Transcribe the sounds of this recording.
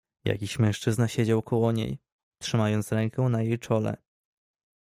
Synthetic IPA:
ja̰kʲiɕmɛ̃w̃ʂt͡ʂɘznaɕed͡ʑawkɔwɔɲḛj | t̪ʂɘmajɔnt̪sɾɛŋkɛw̃najejt͡ʂɔlɛ̰

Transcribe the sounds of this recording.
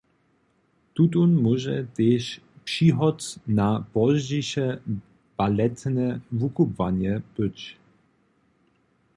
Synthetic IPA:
t̪utunmuʒɛt̪eːʃ | pʂiɦɔtnab̥ɔzd͡ʑiʃɛ | b̥alɛt̪nɛvukubvanjɛb̥ət͡ɕ

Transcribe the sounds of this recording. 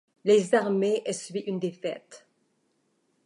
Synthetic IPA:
lezaʁmeʔɛsəlɥiʔynd̪efɛ̰t̪

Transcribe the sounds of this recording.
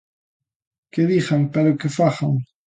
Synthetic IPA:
keðixaŋpeɾokefaxaŋ

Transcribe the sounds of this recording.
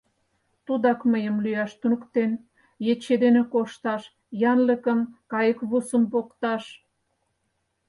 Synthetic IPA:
t̪ud̪ɑkməjəmlyɑʃt̪unəkt̪en | jet͡ɕed̪enekoʃt̪ɑʃ | jɑnləkəmkɑjəkβusəmpokt̪ɑʃ

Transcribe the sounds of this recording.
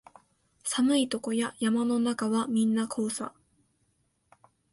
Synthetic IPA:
samɯ̟it̪o̞ko̞jajamano̞nakaβamʲĩnːakʰo̞ːsa̰

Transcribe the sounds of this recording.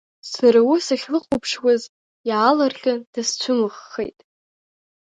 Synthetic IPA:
saɾawusaχʲlɨqʷʼʊpʰʂwaz | jalarχʲad̥ast͡ɕʷʰʊmɨχːḛjtʼ

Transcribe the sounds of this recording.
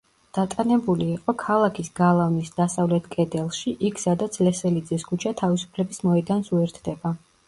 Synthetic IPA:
d̪̥at̪ʼanɛbuliːqʼɔkʰalˠakʰisɡalˠavnisd̪asavlɛt̪ʰkʼɛd̪ɛlˠʃiʔikʰsad̪at̪sʰlɛsɛlid̪ziskʰut͡ʃʰat̪ʰavisu̥pʰlɛbismɔɛd̪ansuɛɾt̪ʰd̪ɛba

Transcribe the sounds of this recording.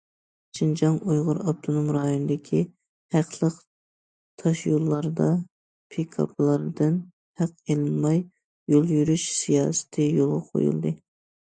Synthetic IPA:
ʃɪnd͡ʒɑŋujʁʊɾɑp̚t̪ʰonomɾɑjonɨd̪ɪkʲʰi | hæqlˠəq | t̪ʰɑʃjolˠːɑɾd̪ɑ | pʰekʰɑ̰pʰlˠɑɾd̪ɨn | hæqelɨnmɑj | jolˠjyɾyʃsijɑːsɪ̥t̪ʰɨjolˠʁɑqʰo̰jṵlˠd̪ɨ

